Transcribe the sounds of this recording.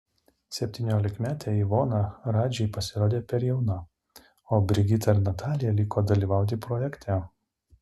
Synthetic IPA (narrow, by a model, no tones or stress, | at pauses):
sʲɛpʲt̪ʲiːnʲoːlʲɪkmʲæːt̪ʲeiʋoːnɑɾɑːd͡ʒʲɛɪpɐsʲɪɾoːd̪ʲeːpʲɛɾjɛʊnɐ | oːbʲɾʲɪɡʲɪt̪ɐɪɾnɐt̪ʰɑːlʲɪjɛlʲiːkoːd̪ɐlʲiːʋɑˑʊt̪ʲɪpɾɔjɛkʲt̪ʲʰæ